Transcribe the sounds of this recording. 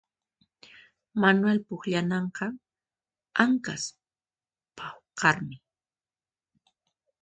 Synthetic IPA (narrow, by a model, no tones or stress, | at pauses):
manwelpʊχʎanɑɴqɑ | aŋkas | pʰawqɑɾmɪ